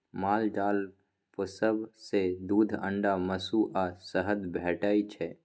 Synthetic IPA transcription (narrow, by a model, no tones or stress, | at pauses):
maːld͡ʒaːl | pəsəbsed̪uːd̪ʱə̰̃ɳɖaməsuʔasəɦəd̪bʱɛːʈaːit͡ʃʰɛ